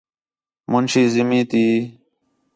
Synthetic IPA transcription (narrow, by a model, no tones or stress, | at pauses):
mʊnɕiːzimiːt̪iː